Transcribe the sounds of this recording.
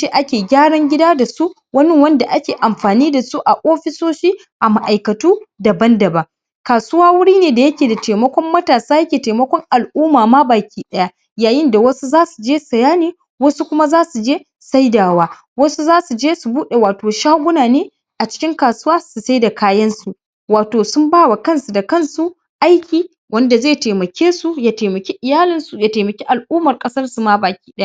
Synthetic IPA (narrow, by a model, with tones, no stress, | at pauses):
t͡ʃe˦ʔa˦kʲeː˨ɡʲaː˦ɽɐ˦ŋɡʲɪ˦daː˦da˨su˦ʔ | wɐ˦nɪ˦wɐ˦nda˨ʔa˦kʲeː˨ʔa˨mɸaː˨niː˦da˨su˦ʔa˨ʔoː˦ɸɪ˦soː˦ʃiː˦ | ʔa˨ma˨ʔa˨jkɐ˨tuː˦dɐ˨bɐ˦ndɐ˨ba˨ | kaː˨sʊ˦waː˦wʊ˦ɽiː˦neː˨da˨jɐ˦kʲeː˨da˨teː˨mɐ˦kʷɔ˦mːɐ˦taː˨saː˦jɐ˦kʲeː˨teː˨mɐ˦kʷɔ˦ŋʔa˨lʔuː˦maː˨maː˦baː˨kʲiː˦ɗɐ˦ja˦ | jaː˨jɪ˦nda˨wɐ˦su˦zaː˦su˨d͡ʒeː˦sɐ˨jaː˦neː˦ | wɐ˦su˦kʷʊ˦ma˦zaː˦su˨d͡ʒeː˦ | sa˦jdaː˨waː˦ | wɐ˦su˦zaː˦su˨d͡ʒeː˦su˨buː˦ɗe˨waː˨toː˨ʃaː˦ɡʷʊ˦naː˨neː˦ | ʔa˨t͡ʃɪ̥˦kʲɪ˦ŋkaː˨sʊ˦waː˦su˨sa˦jda˨kaː˦jɐ˦nsu˨ | waː˨toː˨sʊ˦mbaː˦˨wa˨kɐ˦˨nsu˨da˨kɐ˦˨nsu˨ | ʔa˦jkʲiː˨ | wɐ˦nda˨zeː˦˨teː˨mɐ˨kʲeː˦su˨jaː˨teː˨mɐ˨kʲe˦ʔɪ˨jaː˦lɪ˨nsu˨jaː˨teː˨mɐ˨kʲe˦ʔa˨lʔuː˦mɐ˨rkʼɐ˦sɐ˦rsu˨ma˦baː˨kʲi̥ː˦ɗɐ˦a˦ʔ